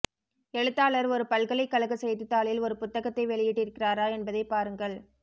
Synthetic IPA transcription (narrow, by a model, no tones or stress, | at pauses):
ɛɻɯt̪ːaːɭɐɾɔɾɯpɐlɣɐɭɐɪkːɐɭɐɣɐsɛjðɯt̪ːaːɭɪlɔɾɯpʊt̪ːɐɣɐt̪ːɐɪʋɛɭɪjɪʈːɪɾɯkːɪraːɾaːɛnbɐðɐɪpːaːɾɯŋɡɐɭ